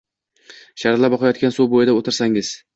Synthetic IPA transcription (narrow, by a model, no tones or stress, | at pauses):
ʃaɾt̪lapbɒqʰɑjɒt̪̚kʲansubojɪd̪aot̪ɪɾsaŋɪz̥